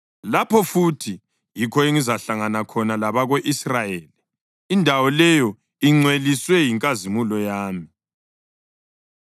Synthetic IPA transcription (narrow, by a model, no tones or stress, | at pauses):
lapʰɔfutʰi | jikʰɔeŋizaɬaŋanakʰɔnalaβaɣeʔisrajeːli | indʱawɔlɛjɔ | iŋ͡ǀweliswɛjiŋkʼazimulɔjaːmi